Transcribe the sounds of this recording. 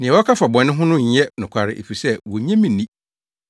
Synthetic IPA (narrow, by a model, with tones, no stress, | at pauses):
nɪ̃˨ɛ˨wɔ˦kʰa˦fa˨bɔ̃˨nːɪ̃˦ɦʊ̃˦nʊ̃˦ɲ˨˦ɛ˦nʊ̃˨kʷʰa˨ɾɪ̰˦˨ʔḛ˨fi˨sɛ˦wɔ˨ɲɛ̃˦mĩ˨nĩ˦